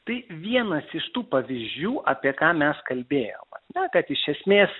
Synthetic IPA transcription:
t̪ɐɪʋʲiɛnɐsɪʃt̪uːpɐʋʲizʲd͡ʒʲuːʔʔɑːpʲiɛkɑːmʲɛskɐlʲbʲeːjo̰ːmɐ̰nʲɛkɐt̪ɪʃʲɛsʲmʲeːs

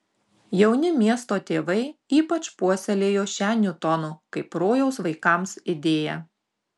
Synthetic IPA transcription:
jɛʊnʲɪmʲiɛst̪oːt̪ʲeːʋɐɪiːpɐt͡ʃpuɔsʲɛlʲeːjoːʃʲæːnʲʊt̪ɔnʊkɐɪpɾoːjɛʊsʋɐɪkɑˑmsɪd̪ʲeːjɛ

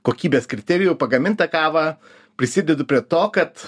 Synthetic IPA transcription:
koːkʲiːbʲeːskɾʲɪt̪ʲɛɾʲɪjʊpɐɡɐmʲɪnt̪ɐkɑːʋɐː | pʲɾʲɪsʲɪd̪ʲɛd̪ʊpʲɾʲiɛt̪oːkɐt̪

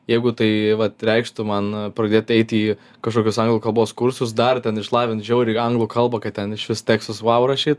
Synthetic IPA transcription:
jɛɪɡʊt̪ɐɪʋɐt̪ɾʲɛɪkʃt̪ʊmɐnpɾɐd̪ʲeːt̪ɛɪt̪iː | kɐʃkoːkʲʊsɐŋɡlˠʊːkɐlˠboːskʊɾsʊs̬d̪ɐrt̪ʲɛnɪʃlˠɑːʋʲɪnt̪ʒʲɛʊɾʲiɐŋɡlˠʊkɐlˠbɐkɐt̪ʲɛnɪʃʋʲɪst̪ʲæːkst̪ʊsʋɑʊɾɐʃʲiːt̪

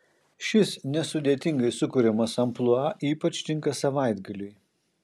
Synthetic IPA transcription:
ʃʲɪsnʲɛsʊd̪ʲeːt̪ʲɪŋɡɐɪsʊkʊɾʲɛmɐsɐmplˠʊɑʔiːpɐt͡ʃʲt̪ʲɪŋkɐsɐʋɐˑɪd̪ɡɐlʲʊj

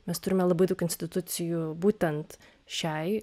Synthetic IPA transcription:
mʲɛst̪ʊɾʲɪmʲɛlˠɐbɐɪd̪ɐʊkʲɪnʲsʲt̪ʲɪt̪ʊt̪sʲɪjubuːt̪ʲɛnt̪ | ʃʲɛɪ

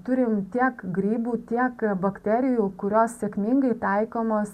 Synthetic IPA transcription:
t̪ʊɾʲɪmt̪ʲiɛkɡɾʲiːbuːt̪ʲiɛkbɐkt̪ʲɛːɾʲɪjuːkʊɾʲoːssʲɛkmʲɪŋɡɐɪt̪ɐɪkoːmoːs

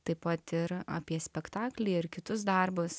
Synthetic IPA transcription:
t̪ɐɪpɐt̪ɪɾɐ̰ːpʲiɛsʲpʲɛkt̪ɑːklʲɛɪɪrkʲɪt̪ʊsd̪ɐrbʊs

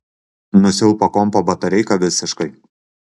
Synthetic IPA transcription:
nʊsʲɪlˠpɐkɔmpɐbɐt̪ɐɾʲɛɪkɐʋʲɪsʲɪʃkɐɪ

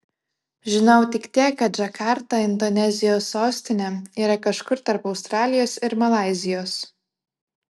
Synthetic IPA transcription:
ʒʲɪnɐʊt̪ʲɪkt̪ʲiɛkːɐt̪ʒʲɐkʰɑˑɾt̪ɐɪnd̪onʲɛzʲɪjoːsːoːsʲt̪ʲɪnʲɛiːɾɐkɐʃkʊɾt̪ɐɾpɒʊst̪ɾɑːlʲɪjoːsɪɾmɐlˠɑˑɪzʲɪjoːs

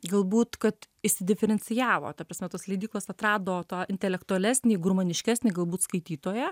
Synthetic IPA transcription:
ɡɐlˠbuːt̪kɐt̪ | ɪʃʲsʲɪd̪ʲɪfʲɛɾʲɛnʲsʲɪjæːʋo̰ːt̪ʲɐpɾɐsʲmʲɛt̪oːslʲɛɪd̪ʲiːklˠoːsɐt̪ɾɑːd̪oːt̪ɑːʔɪnʲt̪ʲɛlʲɛkt̪ʊɐlʲæsʲnʲiːɡʊɾmɐnʲɪʃʲkʲæːsʲnʲiɡɐlˠbuːt̪skɐɪt̪ʲiːt̪oːjɛ

